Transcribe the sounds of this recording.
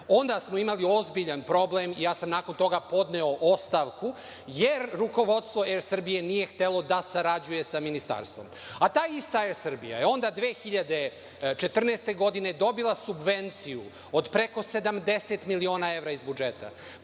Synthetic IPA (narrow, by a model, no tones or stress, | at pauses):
o̞nd̪asmoimalio̞zbiʎanpɾo̞blemijaːsamnaːko̞nt̪o̞ɡapo̞d̪neoʔost̪aʋku | jeɾːuko̞ʋo̞d̪st̪ʋo̞ɛɾsr̩bije̞nije̞xt̪elˠo̞d̪asaɾad͡ʑuje̞saminist̪a̰ɾst̪ʋo̰mat̪aːist̪aɛɾsr̩bḭja̰jeo̞nd̪ad̪ʋeːxiʎad̪e̞ | t͡ʃe̞t̪rneːst̪e̞ɡo̞d̪ined̪o̞bilˠasubʋe̞nt̪siju | od̪pɾeko̞se̞d̪amd̪e̞se̞t̪milio̞ːnae̞ʋɾaizbud͡ʒet̪a̰